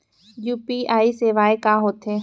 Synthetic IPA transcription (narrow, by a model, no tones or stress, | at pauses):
juːpiːaːiseːʋaːekaːɦoːt̪ʰeː